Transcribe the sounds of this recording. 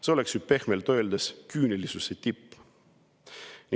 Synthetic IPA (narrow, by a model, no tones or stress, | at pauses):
seo̞le̞ksype̞hmelt̪øeld̪eskyːnelisuset̪ipː | nʲi